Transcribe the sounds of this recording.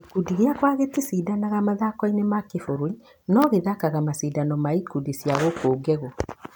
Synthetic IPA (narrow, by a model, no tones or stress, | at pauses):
ikudiɣeakwaɣetisiːdanaɣamaðakɔinemakefoɾoi | nɔɣeðakaɣamasidanɔmaikudisjaɣokouɡɛɣɔ